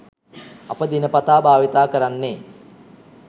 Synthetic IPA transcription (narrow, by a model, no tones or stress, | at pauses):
ɐ̰pəd̪inəpat̪aːbʱaːʋit̪aːkəɾanːeː